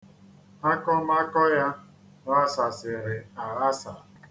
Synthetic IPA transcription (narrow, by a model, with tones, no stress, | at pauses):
a˦kɔ˦m˦a˦kɔ˦ja˦ | n˦a˦sa˨sɪ˨ɾɪ˨a˨ɣa˦sa˨